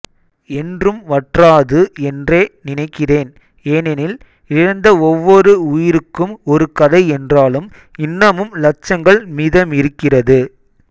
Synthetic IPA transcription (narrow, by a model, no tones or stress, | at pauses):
ɛndrɯmʋɐʈraːðɯɛndreːnɪnɐɪkːɪreːn | eːnɛnɪl | ɪɻɐnd̪ɐɔʋːɔɾɯʊjɪɾɯkːɯmɔɾɯkɐðɐɪɛndraːlɯm | ɪnːɐmɯmlɐt͡ʃːɐŋɡɐɭmiːðɐmɪɾɯkːɪrɐðɯ